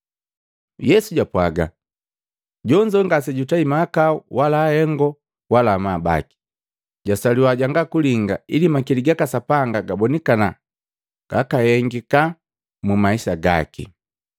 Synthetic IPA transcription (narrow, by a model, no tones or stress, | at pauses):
jɛsuɟapwaɡa̰ | ɟɔɲd͡ʒɔŋɡasɛɟutaimaːkauwalaːhɛŋɡɔ | walaːmaːba̰ki̥ | ɟasaliwaɟaŋɡakuliŋɡailimakiliɡakasapaŋɡaɡabɔnikana | ɡ̥a̰kahɛŋɡika | mumaisaɡa̰kḭ